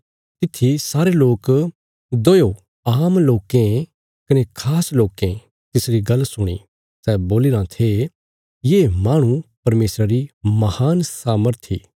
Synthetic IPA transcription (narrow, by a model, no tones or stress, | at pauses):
t̪ɪt̪ʰːisaːɾeloːk | d̪ojo | aːmloːkẽ | kɐnekʰaːsloːkẽ | t̪ɪsɾiɡɐlsʊɽ̃ḭ | sɛːboːliɾãt̪ʰe | jeːmaːɽ̃upɐɾmeːsɾaɾimɐhaːnsaːməɾt̪ʰḭː